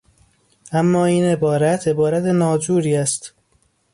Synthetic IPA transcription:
æmːɒːiːne̞bɒːɾæt̪ʰe̞bɒːɾæt̪ʰenɒːd͡ʒuːɾiːæst̪

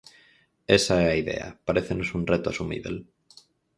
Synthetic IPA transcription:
esaeaiðḛa̰paɾeθenosunret̪ʊasumḭβ̞ḛl

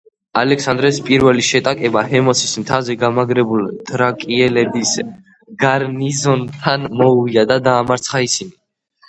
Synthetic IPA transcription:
alɛksand̪ɾɛspʼiɾvɛliʃɛt̪ʼakʼɛbahɛmɔsʰismt̪ʰavzɛɡamaɡɾɛbult̪ʰʼɾakʼiɛlɛbis | ɡ̥aɾnizɔnt̪ʰanmɔviad̪ad̪aːmaɾt̪sʰχaisini

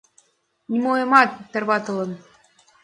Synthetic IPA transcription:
nʲimojɤmɑt̪ːə̆rβɑt̪ɤ̆lˠɤ̆n

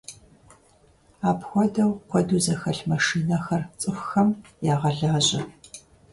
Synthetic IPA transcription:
aːpxʷɔdɐwqʷɔduːzɐxɐɬmɐʂiːnɐxɐrt͡sʼɨxʷxɐmjaːʁɐɮaːʑɪ

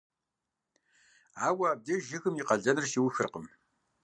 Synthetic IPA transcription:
aːwɐaːb̚deʒɪxɨmiːqɐɮɐnɨrʃiwxɨrqəm

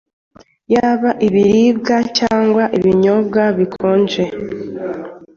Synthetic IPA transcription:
jaːβaʔiβiɾiːb̚ɡacaːŋɡwaʔiβiɲo̞b̚ɡaβikʰoːnd͡ʒe

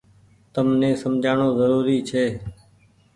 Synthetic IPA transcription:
t̪əmnẽːsəmd͡ʒʱaːɳoːzəɾuːɾiːt͡ʃʰeː

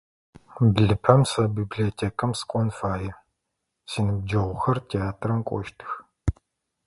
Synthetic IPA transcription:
bɮɨpʰɐmsɐbiːbɮiɔtʰeːkʰɐmsɨ̥kʷʼɔnfaːjɛ | siːnɨb̚d͡ʒɐʁʷʊxɐrtʰeaːtʰrɐmkʷʼɔ̰ʃtʰɨx

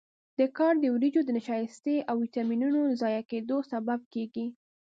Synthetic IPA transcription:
d̪̥əkɑɾd̪əwɾid͡ʒod̪ənaʃɑjɪst̪eʔawit̪ɑminunozɑjaked̪osabab̚keɡi

